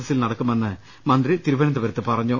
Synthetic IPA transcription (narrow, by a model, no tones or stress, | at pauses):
ɐsilnɐɽɐkːumenːɨ | mɐnd̪rit̪iɾuʋɐnɐnd̪ɐʋɐɾɐt̪ːɨpɐrɐɲːu